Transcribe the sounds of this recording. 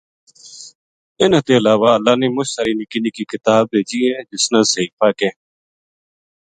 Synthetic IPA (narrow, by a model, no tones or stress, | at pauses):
ɪnãːt̪eːəlaːʋaːəlːaːneːmʊt͡ʃsaːɾiːnɪkɪniːkiːkɪt̪aːb̚bʱeːd͡ʒiːɦẽːd͡ʒɪsnãːsəiːfaːkẽː